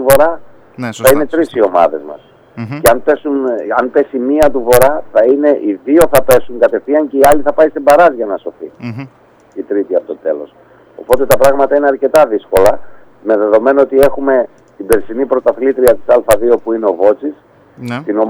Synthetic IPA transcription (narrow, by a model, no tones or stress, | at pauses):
t̪uvo̞ɾɐ | θɐine̞t̪ɾisio̞mɐ̰ðe̞zmɐ̰s | ceɐnpe̞sunɐnpe̞simiɐt̪̬uvo̞ɾɐθɐine̞ʔiðio̞θɐpe̞suŋkɐt̪e̞fθiɐɲce̞iɐliθɐpɐist̪ibɐɾɐzʝɐnɐso̞θi | it̪ɾit̪iɐpot̪ot̪e̞̰lo̞̰s | o̞̰po̞t̪e̞t̪ɐpɾɐɣmɐt̪ɐine̞ɐɾce̞t̪ɐðisko̞lɐ | me̞ðe̞ðo̞me̞noot̪ie̞xume̞ | t̪ibeɾsinipɾo̞t̪ɐθlit̪ɾiɐt̪i̥sɐlfɐðio̞puineo̞vo̞t͡sis | t̪ino̞